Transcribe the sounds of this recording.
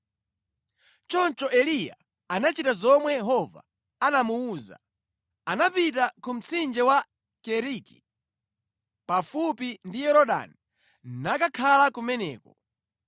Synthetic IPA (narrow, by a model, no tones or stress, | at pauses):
t͡ʃɔnt͡ʃɔʔɛlija̰ | anat͡ʃitazɔmwɛjɛɦɔva̰ | anamuuːza̰ | anapit̬akum̩t͡sʰind͡ʒɛwa | kɛɾiti̥ | pafupindijɛɾɔɗa̰ni | nakakʰalakumɛnɛːkɔ